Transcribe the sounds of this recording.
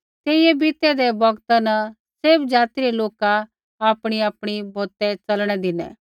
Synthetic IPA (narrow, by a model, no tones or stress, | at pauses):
t̪eːɪjɛbɪt̪ɛd̪ɛbɐɡt̪anɐ | seːbd͡ʒaːt̪iɾeloːka | aːpɽ̃iaːpɽ̃ibʱoːt̪ɛt͡sɐlɽ̃ɛd̪ɪnɛ̰̃ː